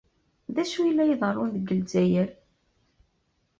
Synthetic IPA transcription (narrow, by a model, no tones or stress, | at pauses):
ðæʃujəlːæjiðˤərˤːʊnðəɡːəlzæjəɾ